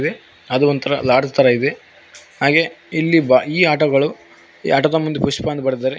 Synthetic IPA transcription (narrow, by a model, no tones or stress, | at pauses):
d̪e | ɐd̪uʋɐnt̪ʰɐɾɐlaːɖst̪ɐɾɐid̪e | haːɡe̞ilːibaiːaːʈɐɡɐɭu | aːʈɐd̪ɐmund̪upuʃpaːnd̪bɐɽd̪aːɾe